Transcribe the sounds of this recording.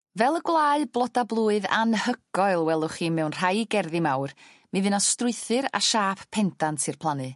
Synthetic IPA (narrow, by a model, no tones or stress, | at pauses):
vɛlˠəɡwlˠaːɨblˠɔdablˠuːɨða̰nhəɡ̥ɔɨlˠwɛlˠʊχiːmɛwnr̥ajɡɛrðimawr | mivɨnastrʊɨθɨɾa̰ʃaːpʰpʰɛndantʰɨrpʰlˠanɨ